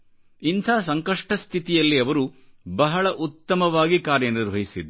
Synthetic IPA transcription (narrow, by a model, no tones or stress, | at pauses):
int̪ʰaːs̬ɐŋkɐʂʈɐst̪ʰit̪ijɐlːiɐʋɐɾubɐɦɐɭɐʔut̪ːɐmɐʋaːɡikaːɾjɐniɾʋʱɐɦisid̪ɐ